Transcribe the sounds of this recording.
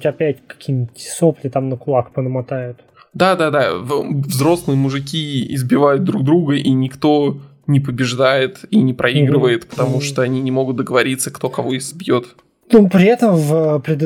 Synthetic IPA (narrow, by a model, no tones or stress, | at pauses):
tʲɐpʲætʲkɐ̥kʲʰinʲtʲsoplʲɪt̪amnəkʊlˠakpənəmat̪ajʊt̪ | d̪ad̪ad̪avzɾo̞slnɨjəmʊʐɨkʲiɪ̰zbʲɪvajʊt̪̚d̪ɾuɡ̚d̪ɾuɡəʔinʲɪkt̪o̞ | nʲɪpəbʲɪʐd̪ajɪt̪inʲɪpɾʔɐiɡɾɨvəjɪt̪pə̥t̪ɐmuʂt̪oɐnʲinʲɪmo̞ɡʊt̪̚d̪əɡəvɐɾʲit̪səkt̪o̞kɐvo̞ɪzbjo̞t̪ | nupɾʲɪɛt̪əmvəpɾʲɪd̪